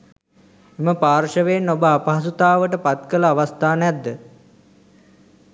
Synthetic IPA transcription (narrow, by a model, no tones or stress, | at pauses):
eməpaːɾʃəʋeːnːobəapɐɦasut̪aːʋəʈəpat̪kələaʋast̪aːnəjad̪ːə